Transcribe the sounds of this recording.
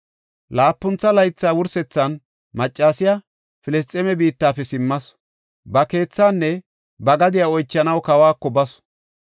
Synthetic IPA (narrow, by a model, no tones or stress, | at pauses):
laːpːʊnt͡sːɐlɐjt͡sːaːwʊɾsɛt͡sːɐn | mɐt͡ʃʼːaːsɪjɐ | fɪlɪst̪ʼːɛmɛbiːt̪ːaːfɛsɪmːɐs | bɐke̞ːt͡sːaːnːɛ | bɐɡɐd̪ɪjaɔjt͡ʃːɐnɐwkɐwaːkːɔbɐs